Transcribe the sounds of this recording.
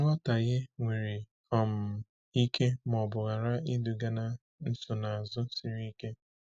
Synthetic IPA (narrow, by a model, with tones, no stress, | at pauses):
ŋɔ˦ta˨ɣɪ˦ŋʷe˨ɾi˨ | ɔ˨m̩˨ | i˦kʰe˦m˨ɔ˨bʊ˨ɣa˨ɾa˦i˦du˨ɡa˦na˦ | n̩˦sʊ˨na˨a˨zʊ˦si˦ɾi˦ke˦